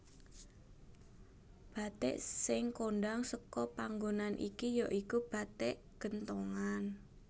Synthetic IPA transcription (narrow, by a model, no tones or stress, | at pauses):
b̥a̤t̪ḛʔsɪŋkonɖaŋsəkɔpaŋɡonanʔḭkijaʔikub̥a̤t̪eʔ | ɡ̥ə̤nt̪oŋan